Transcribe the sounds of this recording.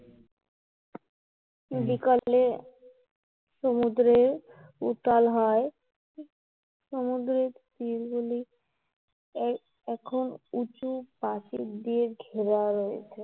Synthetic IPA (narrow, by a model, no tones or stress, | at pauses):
mid̪ikae | ʃomud̪ɾeɾut̪alɦɔe | ʃomud̪ɾeɾt̪ilɡuli | ɛkʰonut͡ɕupaʃid̪ieɡʱeɾaɾoḛt͡ɕʰe